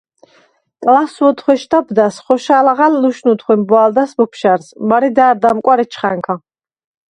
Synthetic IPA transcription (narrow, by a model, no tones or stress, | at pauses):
kʼlaswɔt̪ʰχwɛʃt̪ʰabd̪asχɔʃalaʁalːuʃnut̪ʰχwɛmbwald̪asbɔpʰʃaɾsmaɾɛd̪aːɾd̪amkʼwaɾɛt͡ʃʰχaŋkʰa